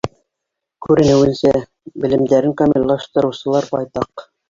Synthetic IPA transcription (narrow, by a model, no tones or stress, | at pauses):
kʉɾɘ̆nɘwɘ̆nsæ | bɘ̆lɘ̆md̪æɾɘŋkamʲilʲlˠɑʃt̪ɤ̆ɾɤ̆wsɤ̆lˠɑɾbɑjt̪ɑq